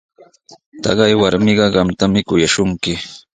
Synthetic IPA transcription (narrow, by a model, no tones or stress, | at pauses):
t̪ɑ̰ɢɑjwaɾmɪɢɑɢɑmt̪amɪkʊjaʃʊŋkɪ